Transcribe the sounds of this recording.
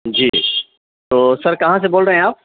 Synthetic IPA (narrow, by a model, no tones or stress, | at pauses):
d͡ʒḭː | t̪oːsɐɾkɐɦãs̬eboːlɾɐɦɛ̃aːp̚